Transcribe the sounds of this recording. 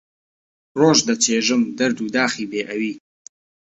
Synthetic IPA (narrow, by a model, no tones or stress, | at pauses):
roːʒd̪ɐt͡ʃʰeːʒɨmd̪ɐɾd̪uːd̪aːxiːbeːʔɐwiː